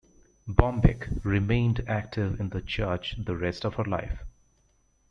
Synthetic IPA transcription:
bɔ̃mbɪ̰kɹɪmẽɪ̃ndæk̚ʈʰɪvɪ̃nd̪ət͡ʃɜːt͡ʃd̪əɾɛstɔv̥həla̰ɪf

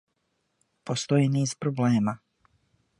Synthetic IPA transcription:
post̪o̞jiniːzpɾobleːma

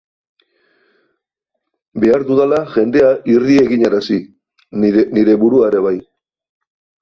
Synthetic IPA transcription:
be̞aɾðuðalaʝe̞nd̪e̞aʔirie̞ɣiɲeɾasi | niɾe̞βuɾuaeɾe̞βaj

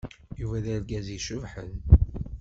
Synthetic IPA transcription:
juvæðæɾɡæziʃʊvħə̰n

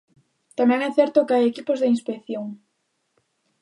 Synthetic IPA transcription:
t̪amɛ̃ŋɛθɛɾt̪okeajekipozðeinspekθjoŋ

